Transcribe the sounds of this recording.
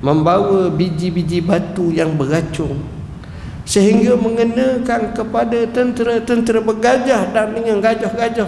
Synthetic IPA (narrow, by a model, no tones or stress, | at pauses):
məmbawabid͡ʒibid͡ʒibat̪ujaŋbərat͡ʃʊŋ | səɦiŋɡaməŋənãkankəpadat̪ənt̪əɾat̪ənt̪əɾabəɡad͡ʒahdaŋdəŋanɡad͡ʒahɡad͡ʒah